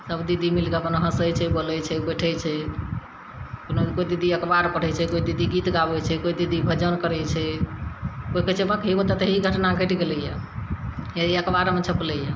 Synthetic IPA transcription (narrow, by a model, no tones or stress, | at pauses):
səbd̪id̪ʱimilɡakonoɦəsəjt͡ʃʰɛboləjt͡ʃʰɛbəʈʰəjt͡ʃʰɛ | konokoid̪id̪iəkbaɾpəɽ̤ɛt͡ʃʰɛkoid̪id̪iɡit̪ɡabɛt͡ʃʰɛkoid̪id̪ibʱəd͡ʒənkəɾəjt͡ʃʰɛ | koikət͡ʃʰɛbakɦibot̪at̪əɦiɡʱəʈnaɡʱəʈɡeləja | eiəkbaɾmet͡ʃʰəpləja